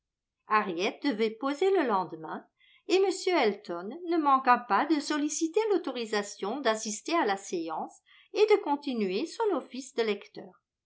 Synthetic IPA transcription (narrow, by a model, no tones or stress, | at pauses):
aʁjɛt̪̚d̪əvɛpozeləlɑ̃d̪mɛ̃ | eməsjøɛlt̪ɔnːəmɑ̃kãpad̪əsɔlisit̪elot̪ɔʁizasjɔ̃d̪asist̪ealaseɑ̃s | ed̪əkɔ̃t̪inyesɔ̃nofisd̪əlɛkt̪œːʁ